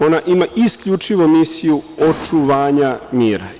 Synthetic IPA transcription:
o̞naʔimaiskʎut͡ʃiʋo̞misijuot͡ʃuʋaːɲamiːɾa̰

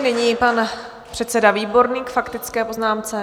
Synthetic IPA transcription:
nɪɲipan | pr̥ɛt̪t͡sɛdaviːbo̞ɾniːkfakt̪ɪt͡skɛːpo̞znaːmt͡sɛ

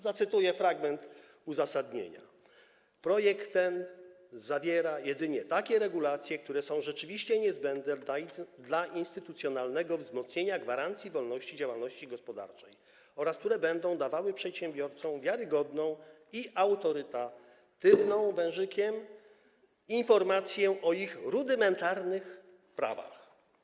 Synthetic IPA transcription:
zat̪sɘt̪ujɛfɾaɡmɛnt̪ | uzasad̪ɲḛɲa̰ | pɾɔjɛkt̪ːɛn | zavʲjɛɾajɛd̪ɘɲɛt̪akʲɛɾɛɡulat̪sʲjɛk̚t̪uɾɛsɔ̃w̃ʐɛt͡ʂɘvʲiɕt͡ɕɛɲɛzbɛnd̪nɛd̪laʔinst̪ɘt̪ut̪sʲjɔnalnɛɡɔvzmɔt̪sɲeɲaɡvaɾant̪sʲjivɔlnɔɕt͡ɕid͡ʑawalnɔɕt͡ɕiɡɔspɔd̪a̰ɾt͡ʂɛj | ɔɾask̚t̪uɾɛbɛnd̪ɔ̃w̃d̪avawɘpʂɛt̪ɕɛmbʲjɔɾt̪sɔ̃w̃vʲjaɾɘɡɔd̪nɔ̃w̃ | iʔawt̪ɔɾɘt̪a | t̪ɘvnɔ̃w̃vɛ̃w̃ʐɘkʲɛm | infɔɾmat̪sʲjɛʔɔixɾud̪ɘmɛnt̪aɾnɘx | pɾa̰va̰x

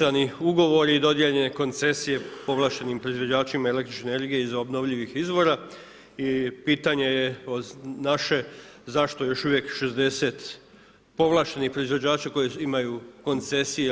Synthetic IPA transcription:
aniuɡo̞ʋo̞ɾiːd̪o̞d̪jeʎe̞ne̞ko̞nt̪se̞sije̞po̞ʋlˠaʃt̪e̞nimpɾo̞izʋo̞d͡ʑaːt͡ʃimaele̞kt̪ɾit͡ʃneneɾɡijeizobno̞ʋʎiʋixizʋo̞ɾa | ipiːt̪aɲe̞jeonaʃe̞zaʃt̪ojo̞ʃuʋje̞kʃe̞zd̪e̞se̞t̪ | po̞ʋlˠaːʃt̪e̞niçpɾo̞izʋo̞d͡ʑaːt͡ʃako̞jeimajuko̞nt̪se̞sije

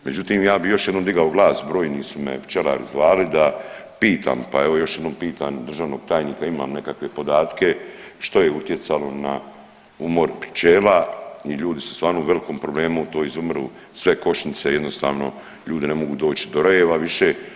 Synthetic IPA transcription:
me̞d͡ʑut̪iːmjaːbijo̞ʃjed̪nomd̪iɡaoɡlaːsbɾoːjniːsumḛpt͡ʃe̞la̰ːɾzʋaːlid̪apiːt̪ʰa̰ːmpa̰e̞ʋo̞jo̞ʃje̞d̪nompiːt̪anud̪r̩ʒaːʋno̞ːɡ̥̚t̪aːjniːkaima̰ːmne̞kakʋe̞po̞d̪aːt̪ke̞ʃt̪o̞je̞ut̪je̞t̪salo̞na | umo̞ɾpt͡ʃe̞ːlaiʎuːd̪isu̥st̪ʋaːɾnouʋe̞likoːmpɾo̞ble̞ːmut̪o̞ːizumɾṵː | sʋe̞ko̞ʃɲit̪seje̞d̪no̞st̪a̰ːʋno̞̰ | ʎuːd̪ine̞mo̞ɡuːd̪o̞ːt͡ʃid̪oɾojeʋaʋiʃe̞

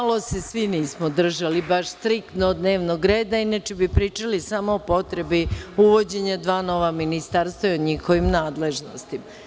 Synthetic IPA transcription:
alose̞sʋiniːsmod̪r̩ʒalibaʃst̪ɾik̚t̪nod̪ne̞ːʋnoɡɾeːd̪ainat͡ʃebipɾiːt͡ʃalisamoːpo̞t̪ɾe̞biuʋo̞d͡ʑe̞ɲad̪ʋaːno̞ʋaminist̪aɾst̪ʋajoɲixo̞ʋimnaːd̪le̞ʒnost̪im

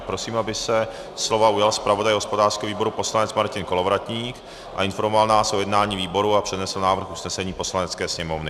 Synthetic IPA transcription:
pɾo̞siːmabɪsɛ | slo̞vaujalspɾavo̞dajɦospo̞daːrskɛviːbo̞ɾupo̞slanɛt͡smaɾcɪnkolovɾat̪ɲiːk | ʔa̰ɪnfo̞ɾmovalnaːsʔojɛdnaːɲiːviːbo̞ɾuapr̥ɛdnɛsl̩naːvɾr̩xusnɛsɛɲiːpo̞slanɛt͡skɛːsɲɛmo̞vnɪ

